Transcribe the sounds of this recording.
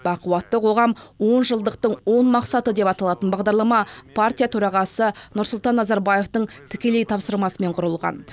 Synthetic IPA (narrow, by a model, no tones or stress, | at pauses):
bɑquwɑt̪ːəqʰo̞ʁɑmwo̞nʒəlˠd̪əq̚t̪əɴwo̞nmɑqsɑt̪əd̪e̞pɑt̪ɑlˠɑt̪ənbɑʁd̪ɑɾlˠɑmɑpʰart̪ʲijat̪ʰɵɾɑʁɑsənʊɾsʊlˠt̪ɑnːɑzɑɾbaje̞ft̪əɴt̪ʰɪ̥kʲe̞le̞jt̪ʰɑpsəɾmɑsəme̞ɴqʰʊɾəlˠʁɑ̰n